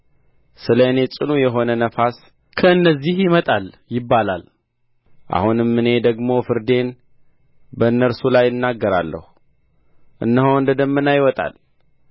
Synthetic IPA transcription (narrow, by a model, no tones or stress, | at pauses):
sɨlənet͡ʃʼɨnujɛɦo̞nənəfas | kʰəɨnːəzːihjɪmət̪ʼal | jɪbːala̰l | ʔa̰hunɨmːɨne̞d̪əɡmo̞fɨɾd̪e̞n | bəɨnːəɾsulajːɨnːaɡːəɾalːə̰hu | ʔɨ̰nːəɦoɨnd̪əd̪əmːɨnajwɔt̪ʼa̰l